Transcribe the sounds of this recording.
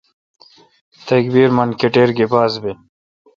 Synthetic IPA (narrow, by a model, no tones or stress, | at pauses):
t̪ɐkbiːɾmɐnkeʈeːɾɡebaːzbe